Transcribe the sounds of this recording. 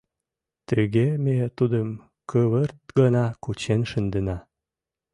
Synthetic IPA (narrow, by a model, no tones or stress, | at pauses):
t̪əɣemet̪ud̪əm | kəβərt̪̚ɡənɑkut͡ɕenʃənd̪ənɑ